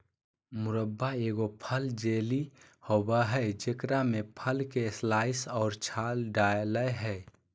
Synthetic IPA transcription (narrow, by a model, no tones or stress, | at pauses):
mʊɾəbːaeːɡopʰəld͡ʒeːlihobaɦɛed͡ʒekɾamepʰəlkeslaːɪsɔːɾt͡ʃʰaːlɖaləjɦɛ